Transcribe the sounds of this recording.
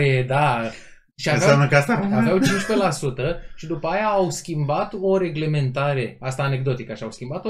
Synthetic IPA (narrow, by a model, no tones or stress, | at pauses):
ed̪a | ʃiavjaamnəkast̪aavawt͡ʃint͡ʃpe̞lasut̪əʃid̪upəajaːwskʲimbat̪o̞ɾe̞ɡle̞me̞nt̪aɾe̞ast̪aːne̞ɡ̚d̪o̞t̪ikəʃiawskʲimbat̪o